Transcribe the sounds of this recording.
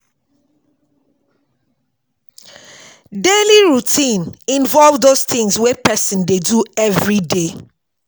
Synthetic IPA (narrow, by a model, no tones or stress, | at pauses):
deliɹutʰĩnĩnvɔlvdost̪ĩŋswɛpʰɛsĩndeduɛvɹide